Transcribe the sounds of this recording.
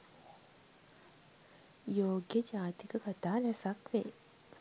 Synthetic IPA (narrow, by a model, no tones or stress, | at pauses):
joːɡjəd͡ʒaːt̪ikəkat̪aːlɛsakʋe